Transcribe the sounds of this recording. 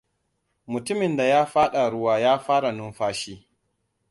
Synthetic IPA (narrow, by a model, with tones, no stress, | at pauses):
mʊ˨tʊ˦mɪ˨nda˨jaː˦ɸaː˦ɗa˨ɽʊ˦waː˦jaː˦ɸaː˦ɽa˨nʊ˦mɸaː˦ʃiː˦